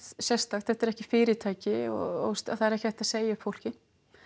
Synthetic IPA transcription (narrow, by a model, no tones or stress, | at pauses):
sjɛ̥st̪axθɛht̪ɛɾɛhcɪfɪːɾɪt̪ʰaːjcɪɔ̰st̪a̰θaðɛɾɛhcɪθɛht̪aðseːjaʏfowl̥cɪ